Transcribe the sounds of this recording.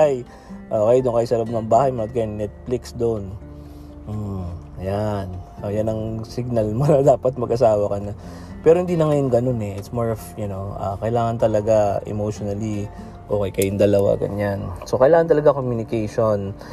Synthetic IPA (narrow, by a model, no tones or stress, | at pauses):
aj | ʔoːkɐjd̪ʊŋkɐjsɐɾab̚nɐŋbaːhɐjmoʔɐt̪̚kɐjnnɛt̪̚flɪksd̪oʔn | m̩ | ɐjanojanɐŋsɪɡ̚nɐlmonɐd̪aːpɐt̪̚mɐɡʔɐs̬aːwɐkɐnɐ | pɛːɾohɪnd̪iːnɐŋɐjoŋɡɐno̞nɛʔɪt̪smaɹfjʊno̞ʔa̰ːkɐʔɪlaːŋɐnt̪ɐlɐɡaʔɛ̰mowʃonɐli | ʔo̞ːkejkɐjʊŋd̪ɐlɐwa̰ɡɐ̰ɲanso̞kɐʔɪlaːŋɐnt̪ɐlɐɡakomjunɪkɛjʃon